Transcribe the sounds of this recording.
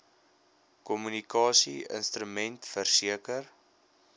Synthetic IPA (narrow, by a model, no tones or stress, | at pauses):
kɔmynikɑːsiə̰nstɾymɛntfərsiəkər